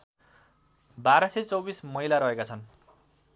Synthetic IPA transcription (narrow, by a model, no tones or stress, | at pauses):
baɾʌset͡sʌwbismʌɦilaɾʌɦekat͡sʰʌn